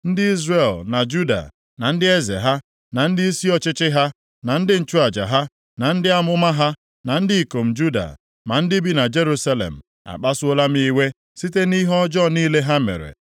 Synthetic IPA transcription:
n̩˦dɪ˦i˦zre˨lna˨d͡ʒu˦da̰˨ | na˨n̩˦dɪ˦e˦zḛ˨ɦa˦ | na˨n̩˦dɪ˦i˦si˦ɔ˦t͡ʃɪ˦t͡ʃɪ˦ɦa˦ | na˨n̩˦dɪ˦n̩˦t͡ʃu˦a˨d͡ʒa̰˨ɦa˦ | na˨n̩˦dɪ˦a˦mʊ˦ma˦ɦa˦ | na˨n̩˦dɪ˦i˨ko˨m̩˨d͡ʒu˦da̰˨ | ma˨n̩˦dɪ˦bi˦na˨d͡ʒe˦ɾu˦sa˦lḛ˨m̩˨ | a̰˨k͡pa˦sʊ˦o˦la˦m̩˦ii˦we˦ | si˦te˦ni˦ɦɔ˦d͡ʒɔ˦˨niː˦le˦ɦa˦mḛ˨ɾḛ˨

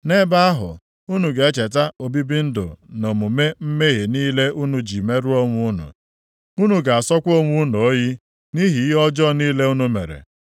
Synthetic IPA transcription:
ne˦ba˦a˦ɦʊ̰˨ | u˦nu˨ɡe˨e˦t͡ʃe˨t̬a˦o˨bi˦bi˦n̩˦do̰˨no˨mu˨me˦m̩˦me˦ɦi˨niː˦le˦ʔu˦nu˨d͡ʒi˨me˦ɾu˦o˦ŋʷʊ˦ʊ˦nṵ˨ | u˦nu˨ɡa˨a˨sɔ˦kʷo˦ŋʷu˦n˨o˨˦ji˦ | ni˦ɦi˨˦ɔ˦d͡ʒɔ˦˨niː˦le˦u˦nu˦mḛ˨ɾḛ˨

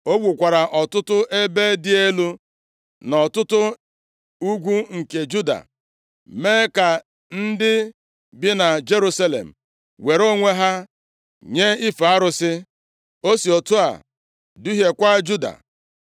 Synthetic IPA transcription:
o˦ɡʷu˨kʷa˨ɾa˨ʔɔ˨tʊ˦tʊ˦ʔe˦be˦dɪ˦e˦lu˦ | nɔ˨tʊ˦tʊ˦ | u˦ɡʷu˦ŋ̩˨ke˨d͡ʒu˦da̰˨ | me˦ka˨ | n̩˦dɪ˦ | bɪ˦na˨d͡ʒe˦ɾu˦sa˦lḛ˨m̩˨ | we˨ɾo˦ŋʷe˦ɦa˦ | ɲe˦i˦fa˦ɾʊ˦sɪ˦ | o˦si˨o˨tu˦a̰˨ | du˦ɦe˨kʷa˦d͡ʒu˦da̰˨

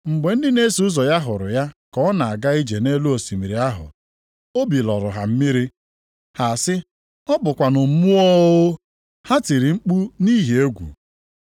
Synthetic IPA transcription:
ŋ͡m̩˨ɡ͡be˨n̩˦dɪ˦ne˦si˨˦ʊ˦zɔ˨ja˦ɦʊ˨ɾʊ̰˨ja˦kɔ˨˦ɔ˦na˨a˨ɡa˦i˦d͡ʒe˨ne˦lu˦o˨si˨mi˨ɾi˨a˦ɦʊ̰˨ | o˦bi˨lɔ̰˨ɾʊ˨ɦa̰˨m̩˦mi˦ɾi˦ | ha˨sɪ˦ | ɔ˦bʊ˨kʷa˨nʊ˨m̩˨˦mu˦ɔ˦ɣʊ˦ | ha˦ti˨ɾi˨ŋ͡m̩˦k͡pu˦ni˦ɦe˨e˦ɡʷṵ˨

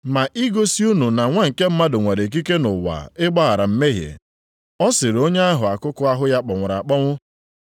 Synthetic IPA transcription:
ma˨ʔi˦ɡo˦si˦u˦nu˨na˨ŋʷa˦ŋ̩˨ke˦m̩˦ma˦dʊ˨ŋʷa˨ɾe˨k̬i˦ke˦nʊ˨wa̰˨ɪ˦ɡ͡ba˦a˨ɾa˨m̩˦me˦ɦjḛ˨ | ɔ˦sɪ˨ɾo˦ɲe˦a˦ɦʊ˨a˨kʊ˦kʊ˦a˦ɦʊ˦ja˦k͡pɔ˨ŋʷʊ˨ɾa˨k͡pɔ˦ŋʷʊ˦

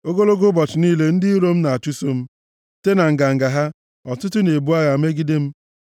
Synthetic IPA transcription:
o˦ɡo˦lo˦ɡʊ˦bɔ˨t͡ʃɪ˨niː˦le˦n̩˦dɪ˦i˦ɾo˦m̩˦na˨a˨t͡ʃu˦so˦m̩˦ | te˦na˨ŋ̩˨ɡa˨ŋ̩˨ɡa˨ɦa˦ | ɔ˨tʊ˦tʊ˦ne˨bu˦a˦ja˨˦me˦ɡi˦de˦m̩˦

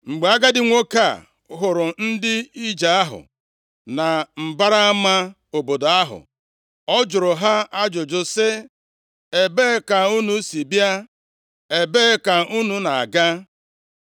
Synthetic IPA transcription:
ŋ͡m̩˨ɡ͡be˨a˦ɡa˦dɪ˦ŋʷo˦ka˦˨ | ɦʊ˨ɾʊ˨n̩˦dɪ˦i˦d͡ʒa˨a˦ɦʊ̰˨ | na˨m̩˨ba˦ɾa˦a˦ma˦ | o˨bo˨do˨a˦ɦʊ̰˨ | ɔ˦d͡ʒʊ˨ɾʊ˨ɦa˦a˦d͡ʒʊ˨d͡ʒʊ˨sɪ˦ | e˨be˦ka˨u˦nu˦si˨bja˦ | e˨be˦ka˨u˦nu˦na˨a̰˨ɡa˦

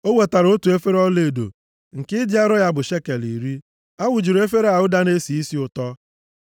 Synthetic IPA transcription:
o˦we˨ta˨ɾo˦tu˨e˦fe˦ɾɔ˦le˨do̰˨ | ŋ̩˨kɪ˦dja˦ɾɔ˦ja˦bʊ˨ʃe˦ke˨lḭ˨ɾi˦ | a˦wʊ˨d͡ʒi˨ɾo˨e˦fe˦ɾe˦a˨ʊ˦da˦ne˦si˨i˦si˦ʊ˨tɔ˦

